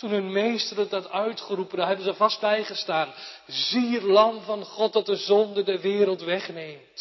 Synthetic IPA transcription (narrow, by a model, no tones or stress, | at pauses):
tunɦɵnmejstərədɑtœɥtχərupəndɑɦɛbənzəvɑst̚bɛjχəstaːn | zirlɑmvɑnχɔt̚dɑt̚dəzɔndədəʋɪːɾəlˠtʋɛχnejmt